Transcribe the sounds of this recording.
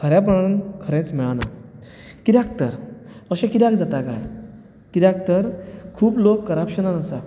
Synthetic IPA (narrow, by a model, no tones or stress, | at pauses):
kʰəɾjãp̬əɽnənkʰəɾɛ̃t͡smɛɭana | kiɾak̚t̪əɾəɕɛ̃kiɾjak̚d͡zat̪aka̰j | kiɾak̚t̪əɾkʰuːplokːəɾapɕənanəsa